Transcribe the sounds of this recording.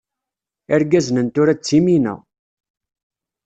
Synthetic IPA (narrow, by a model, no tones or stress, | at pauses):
əɾɡæznənt̪ʊɾæt͡sːiminæ̰